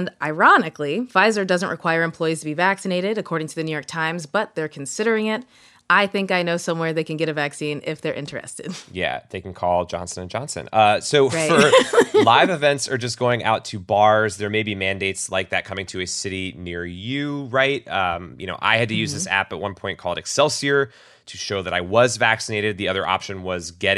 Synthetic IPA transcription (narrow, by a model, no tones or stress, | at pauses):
naɪɹɑnɨkliv̥aɪzə˞dʌzə̃nʔɹʔɨkʰw̥aɪə˞ɨ̃mpʰl̥ɔɪiz̥tʰɨbivæksɨneɪɾɪɾɨkʰɔɹɾɪ̃ŋtʰɨðɨnʉjɔɹk̚tʰãɪ̃mzbʌt̪̚ðə˞kʰn̩sɪɾə˞ɪ̃ŋɪt | ʔaɪθɪ̃ŋkaɪnoʊsʌ̃mwɛɹðeɪkɨ̃n̩ɡɛɾɨvæksĩnɪ̰fðə˞ʔɪ̰̃nt͡ʃə̥˞ɨ̰stɨ̰d̥jæ̰ðeɪkn̩kʰɔlˠd͡ʒɑ̰̃nsə̃nɨ̃nd͡ʒɑ̃nsɨ̰̃nʌsoʊɹafə˞laɪvɨvɛ̃ntsə˞d͡ʒʌsɡ̥oʊɪ̃ŋʔa̰ʊtʰɨbɑɹzðə˞meɪbimæ̃ndeɪtslaɪk̚ðɨt̚kʰʌ̃mɪ̃ŋtʰɨɨsɪɾinɪɹjʉɹaɪt̚ʌ̃mjɨ̰noʊʔa̰ɪɨd̚tɨjʉzðɪsæ̰pət̚wʌ̰̃npʰɔ̃ɪ̃nkʰɔlˠdɨksɛlˠsiə˞ | ɾʰɨʃoʊðɨɾaɪwʌzvæksɨneɪɾɨd̪̚ðiʌðə˞ʔɑ̰pʃɨ̃nwʌzɡɛɾ